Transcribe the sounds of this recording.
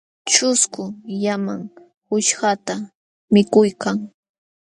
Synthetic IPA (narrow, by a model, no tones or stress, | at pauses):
t͡ʃʊskʊjamaŋ | hʊʃɢat̪a | mɪkʊjkaŋ